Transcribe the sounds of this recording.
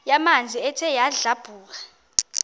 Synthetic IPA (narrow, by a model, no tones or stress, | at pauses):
jamand͡zʱiɛtʰɛjaɮab̥ʱuːk̬ḁ